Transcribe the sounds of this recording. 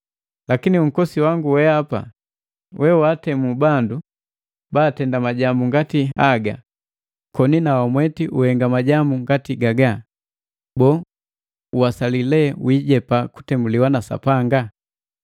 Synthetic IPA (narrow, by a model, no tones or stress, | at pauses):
lakiniuŋ̩kɔsiwaŋɡuwɛapa̰ | wʔɛwatɛmubandu | baːtɛndamaɟambuŋɡatihaɡa̰ | kɔninawamwɛtiʔuhɛŋɡamaɟambuŋɡatiɡaɡa | bɔ | uwasalilɛwiːɟɛpaku̥tɛmuliwanasa̰paŋɡa